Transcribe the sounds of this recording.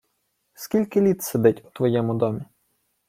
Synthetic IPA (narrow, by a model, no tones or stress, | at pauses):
skʲilʲkɪlʲit̪sed̪ɪtʲʊt̪ʋɔjɛmʊd̪ɔmʲi